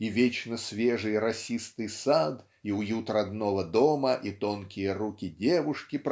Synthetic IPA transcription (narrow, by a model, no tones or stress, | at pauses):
ivʲet͡ɕnəsʲvʲeʐɨjrɐsʲist̪ɨjsad̪ | iʊjut̪rɐd̪novəd̪oməʔit̪onkʲɪjəɾukʲɪdʲevʊʂkʲɪp